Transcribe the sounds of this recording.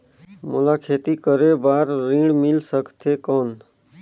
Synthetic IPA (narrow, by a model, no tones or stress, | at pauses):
mʊ̰laːkʰeːt̪ikəɾebaːɾːĩɽmɪlsəkt̪ʰekɔːn